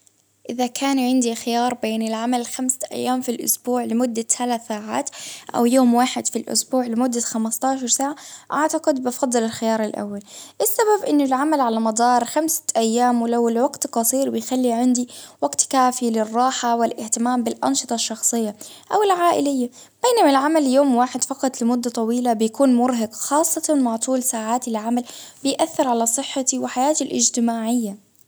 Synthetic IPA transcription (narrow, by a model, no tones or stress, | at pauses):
ʔɪðakʰaːnʕɪnd̪ixɪjɑːɾˤbeːnɪlʕamalxamsḁʔa̰jːaːmfilʔʊ̰sbuːʕlɪmʊd̪ːat̪alaθaːʕa̰ːt̪ʔa̰wjoːmwaːħɪd̪filʔʊ̰sbuːʕlɪmʊd̪ːaxamast̪ɑːʃɑɾˤsaːʕaʔaʕt̪aqɪd̪bɑfɑd̪ˤːɨlɪlxɪjɑːɾˤɪlʔa̰wːalʔɪsːababʔɪnːʊlʕamalʕalamɑd̪ˤɑːɾˤxamsʔajːaːmwɪlawlwaɡt̪qɑsˤiːɾwɪjxalːiʕɪnd̪iwaɡt̪kaːfilɪrˤːɑːħawɪlʔɪht̪ɪmaːmbɪlʔɑ̰nʃɨt̪ˤɑʃːɑxsˤɨjːaʔawɪlʕaːʔɪlɪjːab̥eːnamalʕamaljoːmwaːħɪd̪fɑqɑt̪ˤlɪmʊd̪ːat̪ˤɑwiːlabɪjakuːnmʊɾɦɑɡxɑːsˤːɑt̪ɑmaʕt̪ˤuːlsaːʕaːt̪ɪlʕamalbɪjʔaθːɪɾʕalasˤɨħːat̪iwɪħajaːt̪ilʔɪ̰d͡ʒt̪ɪmaːʕɪjːa